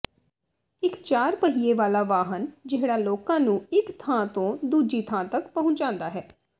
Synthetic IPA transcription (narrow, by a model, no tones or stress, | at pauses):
ɪkt͡ʃaːɾpəɦiːeːʋaːlaːʋaːɦənd͡ʒɪɽaːloːkãːnũːɪkt̪ʰãːt̪õːd̪uːd͡ʒiːt̪ʰãːt̪əkpəɦʊ̃ɲt͡ʃãːnd̪aːɦɛː